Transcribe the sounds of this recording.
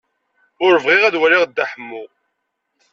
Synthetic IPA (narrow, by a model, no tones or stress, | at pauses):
ʊɾəvʁiʁæðwæliʁd̪ːaħəmːʊ